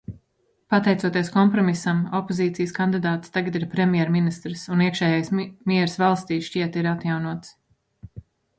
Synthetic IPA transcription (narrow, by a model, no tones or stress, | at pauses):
pat̪ɛjt̪suɔt̪ieɛskɔmpɾɔmisamɔpoziːt̪sijskand̪id̪aːt̪st̪aɡat̪iɾpɾɛmʲjɛɾminist̪ɾsuniɛkʃɛːjajsmʲiɛɾsvalˠst̪iːʃciɛt̪iɾat̪jawnuɔt̪s